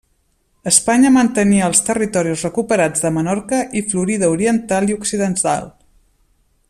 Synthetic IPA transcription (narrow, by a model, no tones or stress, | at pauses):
əspaɲəmənt̪əniəːlˠst̪ərit̪ɔɾiuzrəkupəɾad͡zðəmənɔɾkəʔifluɾiðəuɾiənt̪alˠiuksiðənt̪a̰lˠ